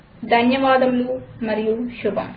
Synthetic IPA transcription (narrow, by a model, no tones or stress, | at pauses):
d̪ʱɐnjɐʋaːd̪ɐmluːmɐɾijuʃubʱɐ̰m